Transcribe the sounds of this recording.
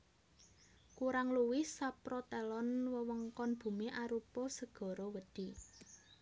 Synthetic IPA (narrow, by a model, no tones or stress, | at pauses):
kuɾaŋluwɪsapɾɔt̪ɛlɔnwəwəŋkɔnb̥ṳmiʔaɾupɔsəɡ̥ɔ̤ɾɔwəd̪̥i̤